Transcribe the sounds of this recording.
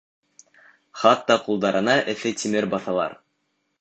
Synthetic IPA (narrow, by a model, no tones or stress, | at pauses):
χɑt̪ːɑqulˠd̪ɑɾʔɤ̆nɑʔɘ̆θɘt̪ʲʰimɘɾbɑθɑlˠɑ̰ɾ